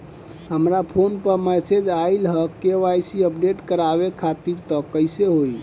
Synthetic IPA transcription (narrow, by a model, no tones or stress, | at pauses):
ɦəmɾapʰonpəɾmɛsed͡ʒailɦəkːeʋajsiəp̚ɖeʈkəɾaβekʰat̪iɾt̪ɔkəjseɦoj